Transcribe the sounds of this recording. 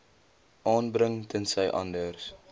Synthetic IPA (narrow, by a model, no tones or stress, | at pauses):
ʔɑːnbrəŋtʰənsəjʔɐ̰ndərs